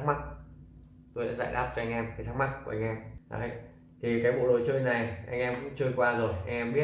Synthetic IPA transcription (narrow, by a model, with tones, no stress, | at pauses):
k̚ma˦˥t̚ | t̪o˧jɗa̰ː˧˥za̰ː˧˨jɗaː˦˥p̚t͡ɕɔ˧a˧jŋ̟ʔɛ˧mkaː˨˦t̪ʰa˦˥kma˦˥t̚ku˨˩a˧ŋ̟ʔɛ˧mha̰ː˨˦j | t̪ʰi˨˩kaː˨˦jɓo̰˧˨lɗo˨˩jt͡ɕəː˧jna˨˩jʔa˧jŋ̟ʔɛ˧mkʊ̰˧˥ŋt͡ɕəː˧jkwaː˧zo˨˩jʔa˧jŋ̟ʔɛ˧mɓi˦˥ə